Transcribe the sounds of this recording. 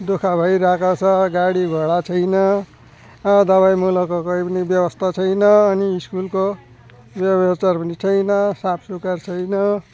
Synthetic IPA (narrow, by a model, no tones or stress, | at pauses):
d̪okʰabʱʌjɾakat͡sʰʌɡaɽiɡʱʌɽat͡sʰʌjnʌ | d̪ʌβajmulʌkokoipʌnibjʌbʌst̪ʰat͡sʰʌjnʌːniːskulko | bjʌʌt͡sarpʌnit͡sʰʌjnʌsapʰsukart͡sʰʌjnʌ